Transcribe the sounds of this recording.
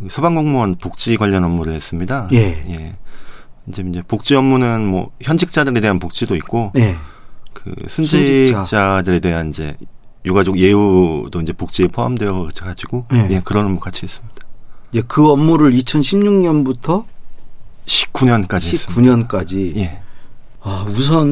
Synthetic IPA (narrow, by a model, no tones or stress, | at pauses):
kɯsʰobaŋɡoŋmoanpok̚t͡ɕ͈iɡwaʎːʌnʌmːuɾɯɭhe̞s͈ɯmɲidajeje̞ | ind͡ʑeind͡ʑe̞pok̚t͡ɕ͈iʌmːunɯnmwʌ̰çjʌnd͡ʑʰik̚t͡ɕ͈adɯɾe̞de̞ɦanpok̚t͡ɕ͈idoit̚k͈oje | kɯ̰sʰund͡ʑit͡ɕ͈adɯɾe̞de̞ɦanind͡ʑe̞̰ | joɡad͡ʑoɡje̞judoind͡ʑe̞pok̚t͡ɕ͈iepʰoamdweʌɡʌat͡ɕʰiɡad͡ʑiɡ̥ojje̞kɯɾʌnʌmuk͈at͡ɕʰiɦe̞s͈ɯmɲid̥ḁid͡ʑe̞kɯʌmːuɾɯɾit͡ɕʰʌnɕʰimɲuŋɲʌnbutʰʌ | ɕʰi̥p̚k͈uɲʌnk͈ad͡ʑieis͈ɯuɲʌnk͈ad͡ʑije̞ | ausʰʌn